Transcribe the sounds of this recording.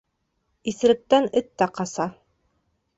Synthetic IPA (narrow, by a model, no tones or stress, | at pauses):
iθɘ̆ɾɘ̆t̪ːænɘt̪ːæqɑsɑ